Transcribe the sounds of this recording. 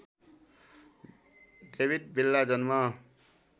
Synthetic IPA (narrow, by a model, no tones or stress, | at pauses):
debʱid̪̚bilːad͡zʌnma